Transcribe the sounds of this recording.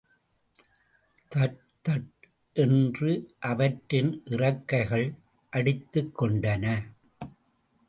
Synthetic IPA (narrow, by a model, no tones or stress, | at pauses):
t̪ɐʈ | t̪ɐʈ | ʔɛndrɯʔɐʋɐʈːɪnʔɪrɐkːɐɪɣɐɭ | ʔɐɽɪt̪ːɯkːɔɳɖɐnɐ